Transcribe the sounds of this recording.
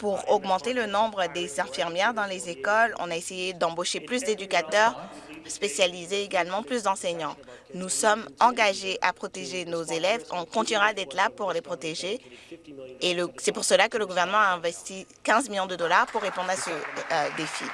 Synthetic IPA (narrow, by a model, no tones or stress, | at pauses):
puʁɔɡmɑ̃t̪elənɔ̃bʁəd̪ezɛ̃fiʁmjɛʁd̪ɑ̃lezekɔlɔ̰̃naesejed̪ɑ̃boʃeplys̬d̪ed̪ykat̪œʁspesjalizeːɡalmɑ̃plys̬d̪ɑ̃sɛɲɑ̃nusɔmɑ̃ɡaʒeʔapχɔt̪eʒenozelɛvɔ̃kɔ̃t̪inyʁad̪ɛt̪χlapuʁlepχɔt̪eʒeː | ləsɛpuʁsəlakələɡuvɛʁnəmɑ̃aɛ̃vɛst̪ikʲɛ̃zmiljɔ̃d̪əd̪ɔlaʁpuʁːepɔ̃d̪ʁasəd̪efi